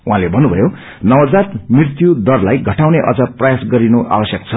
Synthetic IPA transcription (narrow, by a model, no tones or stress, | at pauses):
uɦãlebʱʌnːubʱʌjo | nʌwʌd͡zat̪mirt̪jud̪ʌrlajɡʱʌʈawneʔʌ̰d͡zʌprʌjasɡʌɾinoʔa̰bʌsjʌk̚t͡sʰʌ